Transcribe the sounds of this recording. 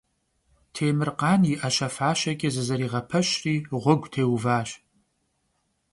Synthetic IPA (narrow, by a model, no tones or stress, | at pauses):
tʰeːmɨrqʼaniʔaʃafaːʃakʲʼɪzɨzaɾiʁapʰɨʃriʁʷʊɡʷtʰeːwvaːʃ